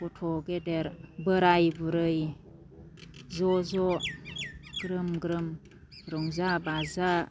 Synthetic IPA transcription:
kɔtʰɔɡedeɾbəɾajbuɾɯj | zɔzɔ | ɡ̥ɾɯmɡɾɯm | ɾɔŋzabaza

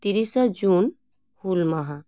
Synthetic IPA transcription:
t̪iɾisəd͡ʒun | hulmaɦa

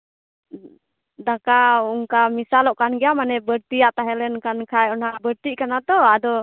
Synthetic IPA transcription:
d̪akauŋkamisalɔʔkanɡɛjamanɛbəɾt̪ijaʔt̪aɦɛlɛnkankʰajɔnabəɾt̪iʔkanat̪ɔad̪ɔ

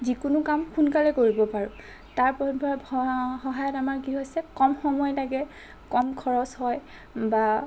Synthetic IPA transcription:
zikʊnʊkamxunkalɛkoɹibɔpaɹʊ̃ | taɹpɔbʱɔxɔɦajɔtamaɹkiɦojsɛkɔmxɔmɔjtaɡɛ | kɔmkʰɔɹɔshɔj | ba

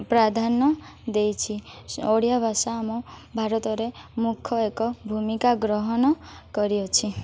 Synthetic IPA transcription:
pɾad̪ʱanɔ | d̪ejt͡ʃʰioɽijabʱasaːmɔbʱaɾɔt̪ɔɾemukʰɔekɔbʱumikaɡɾɔɦɔnɔkɔɾiɔt͡ʃʰi

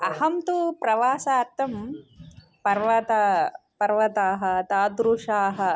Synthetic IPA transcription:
ɐhɐmt̪upɾɐʋaːsaːɾt̪ːɐm | pɐɾʋɐt̪ɐpɐɾʋɐt̪aːɦɐ̆t̪aːd̪ɾuʂaːɦɐ̆

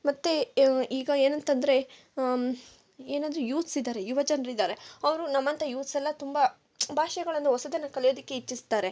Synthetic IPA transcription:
mɐt̪ːeiːɡɐeːnɐnt̪ɐnd̪ɐɾe̞ | eːnaːd̪ɾujuːt̪sid̪aːɾe̞juʋɐd͡ʒɐnɐɾid̪aːɾeɐʋɐɾunɐmːɐnt̪ʰɐjuːt̪sɛlːɐt̪umbɐ | bʱaːʃɐɡɐɭɐnd̪uɦɔsɐd̪ɐnɐkɐljoːd̪ikːeit͡ʃːist̪aːɾe̞

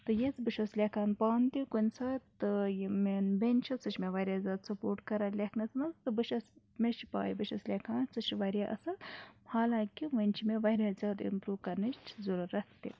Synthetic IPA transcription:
t̪ɨjet͡sbɨʃɐslʲekaːnpaːnt̪ikunʲsaːt̪ɨjimenbenʲt͡ʃʰɐsɨt͡ʃʰmʲeʋɐɾʲazʲaːd̪sɐpoːɾʈkɐɾalʲeknɐt͡snɐst̪ɨbɨʃɐs | mʲeʃipa̰ːjibɨʃɐslʲekʰaːnsɨt͡ʃiʋɐɾʲaʔɐ̰sɐhaːlaːkiʋɐnʲt͡ʃʰimeʋɐɾʲaːzʲaːd̪ḭmpɾuːkɐnɨt͡ʃʰzuɾuɾɐt̪t̪ḭ

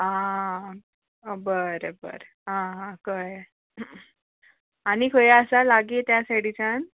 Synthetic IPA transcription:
ã | bəɾəbə̰ɾ | ɦããkəj | aɽ̃ikʰəjəsalaɡit̪jasaʈit͡ɕan

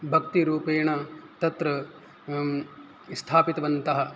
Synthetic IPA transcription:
bʱɐk̚t̪iɾuːpeːɳɐt̪ɐt̪ɾɐ | st̪ʰaːpit̪ɐʋɐnt̪ɐɦɐ

